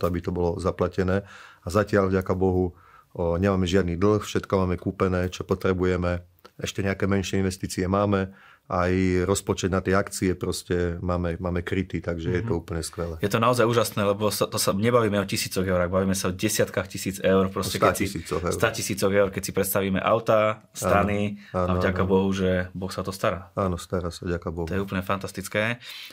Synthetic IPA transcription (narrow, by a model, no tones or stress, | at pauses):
t̪ɔabit̪ɔbɔlɔzaplacɛnɛːazacɪaʎvɟakabɔɦu | ɲɛmaːmɛʒɪad̪niːd̪l̩ˠxfʃɛt̪kɔmaːmɛkuːpɛnɛːt͡ʃɔpɔt̪ɾɛbujɛmɛ | ʔɛʃcɛɲɛakɛːmɛnʃɪɛinʋɛst̪iːt͡siɛmaːmɛ | ʔajɾɔspɔt͡ʃɛd̪nat̪jɛakt͡siɛpɾɔscɛmaːmɛmaːmɛkɾit̪it̪aɡʒɛjɛt̪ɔuːpəɲɛskʋɛlɛjɛt̪ɔnaɔzajuːʒasnɛːlɛbɔsat̪ɔsaɲɛbaʋiːmɛɔcisiːt͡sɔɣɛʊɾaɣbaʋiːmɛsaɔɟɛsɪat̪kaxcisiːd͡zɛʊɾpɾɔscɛt̪ɛasisiːt͡sɔɣɛ̰st̪acisiːt͡sɔɣɛʊɾkɛcsipɾɛt̪st̪aʋiːmɛ̰ʔa̰ʊt̪a | st̪aniaːnavɟakabɔɦuʒɛbɔxsaɔt̪ɔst̪aɾaːaːnɔst̪aɾaːsaʋɟakabɔt̪ɔjɛuːp̬l̩ɲɛfant̪ast̪it͡skɛː